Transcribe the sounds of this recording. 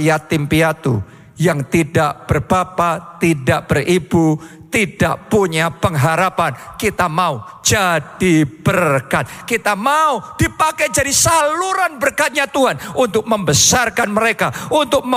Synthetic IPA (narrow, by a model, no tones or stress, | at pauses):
jat̪ɪmpiat̪ṵ | jaŋt̪idaʔb̥ərb̥apat̪idaʔb̥əribut̪idaʔpuɲapəŋɦaɾapankit̪amaud͡ʒadib̥ərkat̪̚kit̪amaud̥ipakajd͡ʒadisaluɾanbərkat̪̚ɲat̪uɦanunt̪ʊk̚məmbəsarkanməɾekaunt̪ʊk̚mə